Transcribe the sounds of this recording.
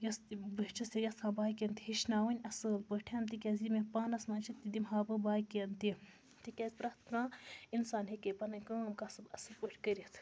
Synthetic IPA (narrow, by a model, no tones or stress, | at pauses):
jɐsbɨt͡ʃʰɐst̪ʲijɐst̪kãːbaːjkent̪iɦiʃnaːwɐnʲɐsɨlpəʈʰent̪ikʲɐːzimepaːnɐsmãːnt͡ʃʰiid̪imɦaːbɨbaːjkent̪i | t̪ikʲɐzʲpɾɐht̪kãːinsaːnɦekepɐnɐkɐːmkasɨbɐsɨlpəʈʰʲkɐɾʲit̪ʰ